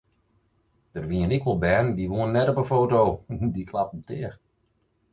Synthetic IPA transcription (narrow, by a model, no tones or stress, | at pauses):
d̥ərʋiənɪkʋɔlˠbɛːndiʋoənnɛtɔpəfowtowdikʰlap̩̚tʰɪəx